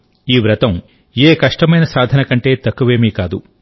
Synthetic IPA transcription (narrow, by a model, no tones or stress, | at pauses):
iːʋɾɐt̪ɐm | eːkɐʂʈɐmɐjnɐsaːd̪ʱɐnɐkɐɳʈe̞ːt̪ɐkːuʋeːmiːkaːd̪u